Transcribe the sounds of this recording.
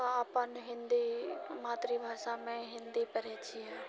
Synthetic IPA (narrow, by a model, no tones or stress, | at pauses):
aːpənɦɪ̃nd̪imaːt̪ɾibʱaːʃamẽɦɪ̃nd̪ipəɾɛːt͡ʃʰiɦɛ